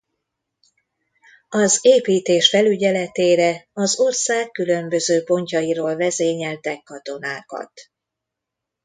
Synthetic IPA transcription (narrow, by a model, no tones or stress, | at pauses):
ɒzeːpiːt̪eːʃfɛlyɟɛlɛt̪eːɾɛɒzo̞rsaːkːylø̞mbø̞zøːpo̞ɲcɒjiɾoːlvɛzeːɲɛlt̪ɛkːɒt̪o̞naːkɒ̰t̪